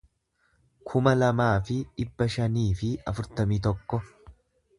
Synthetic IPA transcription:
kʰʊmɐlɐmaːfɪᶑɪbːɐʃɐniːfɪɐfʊɾt̪ɐmiːt̪ɔkːɔ

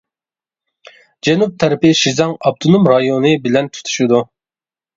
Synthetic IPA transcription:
d͡ʒɛnup̚t̪ʰɛɾɪpɪʃizɑŋɑb̚t̪ʰunumɾɑjonɨbɪlɛnt̪ʰu̥t̪ʰu̥ʃid̪u

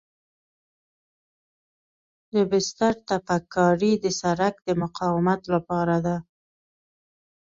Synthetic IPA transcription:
d̪əbɪst̪aɾt̪afakːɑɾid̪əsaɾakd̪əmʊqɑwɪmat̪lapɑɾad̪a

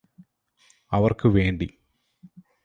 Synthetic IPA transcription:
ɐʋɐrkɨʋe̞ːɳɖi

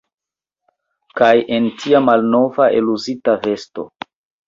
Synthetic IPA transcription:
kajʔe̞ntʰiamalno̞vaʔeluzitave̞sto̞̰

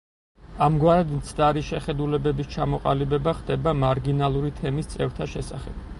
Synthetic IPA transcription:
amɡwaɾɛd̪mt̪sʰd̪aɾiʃɛχɛd̪ulɛbɛbist͡ʃʰamɔqʼa̰libɛbaχd̪ɛbamaɾɡinalˠuɾit̪ʰɛmist̪sʼɛft̪ʰaʃɛsa̰χɛb̥

